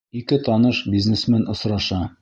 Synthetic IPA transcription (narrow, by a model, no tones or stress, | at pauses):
ikɘt̪ɒnɤʃbʲiznesmænŏsɾɑʃɑ